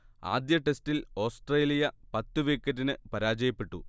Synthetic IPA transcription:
a̰ːd̪jɐʈe̞stilo̞ːsʈreːlijɐpɐt̪ːuʋeːkːɐɾːinɨpɐɾaːd͡ʑɐjɐpːe̞ʈːṵ

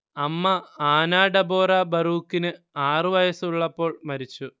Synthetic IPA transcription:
ɐmːɐaːnaːɽɐboːrɐbɐruːkːinɨ | aːrɨʋɐjɐsuɭːɐpːo̞ːɭmɐɾit͡ɕːu

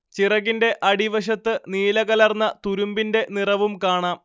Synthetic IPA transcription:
t͡ɕirɐɣinde̞ʔɐɽiʋɐɕ̬ɐt̪ːɨniːlɐɣɐlɐrnːɐt̪uɾumbinde̞nirɐʋumkaːɳaːm

